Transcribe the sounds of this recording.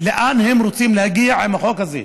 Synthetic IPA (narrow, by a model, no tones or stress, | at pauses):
leʔanhemɾot͡simlehaɡiaʕimaχokhazḛ